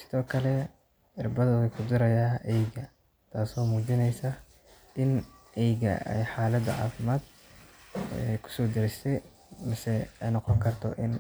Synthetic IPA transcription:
sɪ̥ðɔːkʰɐlɛ | ɪrbɐðɐwɛjkʰʊd̪ɪɾɐjaːʔɛjɡɐ | t̪ʰaːsɔːmuːt͡ʃɪnɛjsa | ʔɪnʔɛjɡɐ̰ɛ̰jħaːlɐd̪ɐʕa̰ːfɪmaːd̪ | ɛ̰ːkʰʊ̥sɔːd̪ɐɾɪst̪ɛj | mɪsɛɛjnɑqɔŋkʰɐrt̪ʰɔ̰ʔɪn

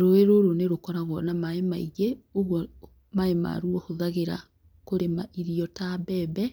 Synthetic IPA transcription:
ɾoeɾoɾoneɾokɔɾaɣɔnamaemaiɣeoɣwɔ | maema̰ɾuɔhoðaɣeɾa̰ | koɾemaʔiɾiɔtabɛːbɛ

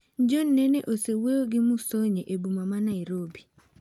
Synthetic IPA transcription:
d͡ʒɔnːɛneʔoseweoɡɪmusoɲeʔebumamanaɪɾobi

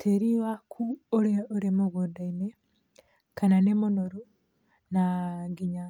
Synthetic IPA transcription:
tʰeɾiwakʰuoɾeoɾemoɣodaine | kananemonoɾo | naɡiɲa

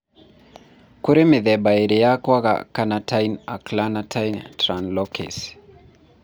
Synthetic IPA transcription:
kuɾimiðɛbaiɾijakwaɣa̰kanatʰajna̰klanatʰajntɾanlɔkʰɛ̰s

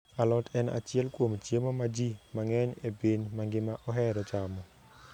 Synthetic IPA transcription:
alɔtʰɛna̰t͡ʃjɛlkwomt͡ʃjemomad͡ʒimaŋɛɲebenmaŋɡɪmaʔɔɦɛɾɔt͡ʃamɔ

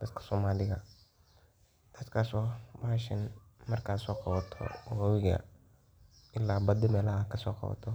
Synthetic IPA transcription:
d̪ɐd̪kʰɐ̥sɔːmaːlɪɣɐ | d̪̥ɐd̪kʰaːsɔːwaʃɪnmɐrkʰaːsɔːqɑβɐt̪ʰɔ̰wɐwɪɣɐ̰ | ʔɪlːaːbɐd̪ɪmɛːlɐhakʰɐsɔːqɑ̰βɐ̰t̪ʰɔ

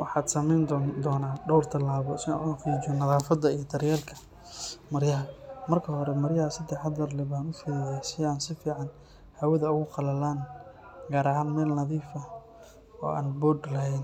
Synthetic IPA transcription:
wʔɑ̰ħɑːd̪sɐmɛjnd̪d̪ɔːnaːɖɔwrt̪ʰɐlaːβɔsɪa̰ːnħɑqiːt͡ʃɔnɐðaːfɐd̪ɐijɞd̪ɐɾjɛːlkʰɐ̥ | mɐɾjɐɦɐmɐrkʰɐɦɔɾɛmɐrjɐɐsɐd̪ɛħɐd̪ɐrlɪβaːnʊfɛjasɪaːnsɪfiːʕɑn | hɐwɐðɐʊɣʊqɑlɐlaːn | ɡaːɾɐɦaːnmɛːlnɐðiːfɐ | ɔ̰ːʔa̰ːnbɔdlɐɦɛjn

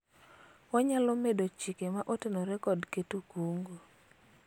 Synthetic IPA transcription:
ɔɲalɔmedot͡ʃikemaʔotenoɾɛkɔdketukuŋɡo

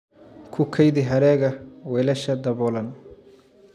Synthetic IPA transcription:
kʰʊkʰɐjdɪɦɐɾɛːɣɐwɛːlɐʃɐd̪ɐβɔlɐn

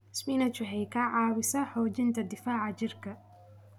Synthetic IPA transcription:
smiːnɐt͡ʃʊħɛjkʰɐʕɑːβɪsɐħɔːt͡ʃɪnt̪ʰɐd̪ɪfaːʕɑt͡ʃɪrkʰɐ

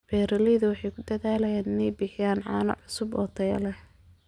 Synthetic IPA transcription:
bɛːɾɐlɛðɐwɑħɑjkʰʊd̪ɐðaːlɛjaːnɪnɛjbɪħɪjaːnʕɑːnɐ̰ʕʊsʊbɔ̰ːt̪ʰɐj̰lɛh

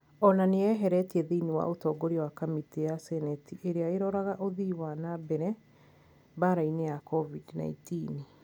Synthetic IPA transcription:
ɔnaneɛɦɛɾɛtiɛðeiniwa̰ʔotɔːɡoɾiwakamitejasɛnɛtiʔeɾeaeɾɔɾaɣaʔoðiwanabɛɾɛ | baɾainejakɔvidna̰ḭtin

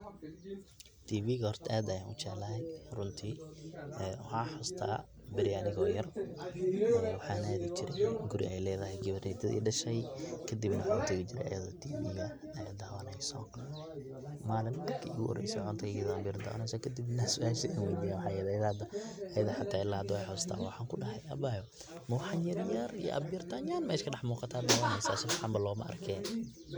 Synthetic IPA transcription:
t̪ʰiːbiːɣɐhɔrt̪ʰɐaːd̪ɐjaːnʔʊt͡ʃɛːlɐɦɛjrʊnt̪ʰiː | wɑħaːħʊst̪ʰa̰ː | bɪɾɪɐnɪɣɔːjɐrʔɐʔɛwɑħaːnaːðit͡ʃɪɾɛɡʊɾɪ̰ʔɛjlɛːðɐɦɛjɡɪβɐɾɪd̪ɐd̪ḭːɖɐʃɛjkʰɐd̪ɪbnɐħʊnt̪ʰɪɣɪt͡ʃɪɾɛ̰jʔɐ̰jɐðɔt̪ʰiːbḭːɣɐ | ɐjaːd̪aːwɐnɛjsɔ̰ | maːlɪnd̪ɐd̪kʰɐʔɪɣʊʔɔ̰ɾɛ̰jsɔʕɔnt̪ʰɐɣɪjɐðbjɐɾd̪a̰ːwɐnɛjsɔkʰɐd̪ɪbnɐsʊʔaːʃianwɛjd̪iːjwħɑjɐðɛjðɐɐd̪ɐʔɐjɐðɐħat̪ʰaːɪlːaːɐd̪ɔɛjħɔst̪ʰa̰ːwɑħaːŋkʰʊɖɐɦɐjɐ̰baːjɔ | mɐwħɑnjɐɾjɐrijɔ̰ʔɐ̰bjɐrt̪ʰanjaːnmɛːʃkʰɐɖɛħmuːqɑt̪ʰaːd̪aːwɐnɛjsaːsʊfħɑmbɐlɔːmɐ̰ʔɐ̰rkʰɛːn

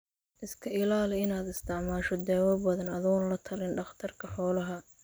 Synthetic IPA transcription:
ʔɪskʰɐɪlaːlɛɪnaːd̪ɪst̪ʰɪʕmaːʃɔd̪ɛːwɐbɐðɐnɐðɔːnlɐt̪ʰɐlɪnɖɑχt̪ʰɐrkʰɐħɔːlɐɦɐ

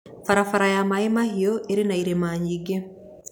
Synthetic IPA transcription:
faɾafaɾajamaemahioʔeɾinaiɾemaːɲiɡe

